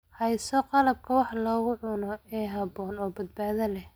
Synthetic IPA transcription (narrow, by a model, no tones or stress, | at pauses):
hɛjsɔqɑlɐb̚kʰɐwɑħlɔːɣʊʕʊnɔɛːɦɑβɔːnɔːbɐd̪̚baːðɐlɛh